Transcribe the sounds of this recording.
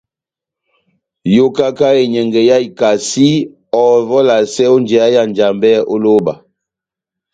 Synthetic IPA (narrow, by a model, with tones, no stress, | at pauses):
jo˦ka˦ka˦e˨ɲɛ˨ŋɡɛ˨ja˦i˨ka˨si˦ | ɔ˨vɔ˦la˨sɛ˦o˦nd͡ʒɛ˨a˦ja˦nd͡ʒa˨mbɛ˦o˦lo˦ba˨